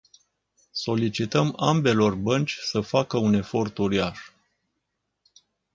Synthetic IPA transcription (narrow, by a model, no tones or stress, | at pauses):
so̞lit͡ʃit̪əma̰mbe̞lo̞rbənt͡ʃʲsəfakəune̞fo̞rt̪uɾiaʃ